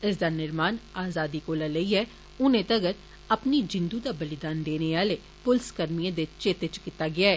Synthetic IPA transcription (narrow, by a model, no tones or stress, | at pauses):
ɪs̬d̪aːnɪɾmaːnaːzaːd̪ikolaləiɦɛ | ʊnẽt̪ɐɡəɾ | ɐpnid͡ʒɪ̃nd̪ud̪abəlɪd̪aːnd̪eːneʋaːle | pʊlskəɾmiẽd̪et͡ʃt͡ʃet̪et͡ʃkɪt̪ːaɡɪaːɛː